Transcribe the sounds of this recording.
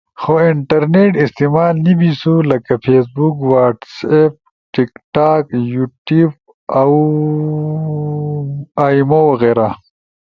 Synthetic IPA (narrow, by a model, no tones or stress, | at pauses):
xoiɳʈɐɾneʈist̪imaːlnibisulɐkɐpʰeːsbukwaːʈsep̚ | ʈikʈaːkjuʈiːb̚ | ɐw | aːimowɐɣeːɾa